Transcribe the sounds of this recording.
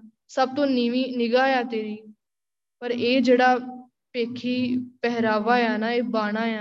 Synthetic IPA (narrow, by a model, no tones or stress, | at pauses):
səb̚t̪õːnɪʋiːnɪɡaːjaːt̪eːɾiː | pəɾeːd͡ʒeːɽaː | peːkʰiːpɛɦɾaːʋaːjaːnaːeːbaːɽ̃aːjaː